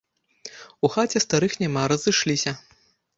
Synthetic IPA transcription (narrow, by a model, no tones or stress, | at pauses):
uxat͡sʲɛst̪aɾɨxnʲamaɾɐzɨʂlʲisʲɐ